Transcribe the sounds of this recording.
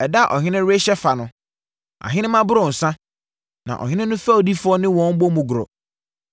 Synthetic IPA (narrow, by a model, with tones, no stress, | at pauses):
ɛ˨da˦˨ʔɔ˨ɦɪ̃˦nɪ̃˦ɾe˦ɕɛ˦fa˨nʊ̃˦ | a̰˨ɦɪ̃˦nɪ̃˦mã˦bʊ˦ɾʊ̃˨n̩˨sã˦ | nã̰˨ʔɔ̰˨ɦɪ̃˦nɪ̃˦nʊ̃˦fa˦o˨di˦fʊ˦ɔ˦nɪ̃˦wɔ̃˦m̩˦bo˦mʊ̃˨ɡʊ˨ɾɔ̰˨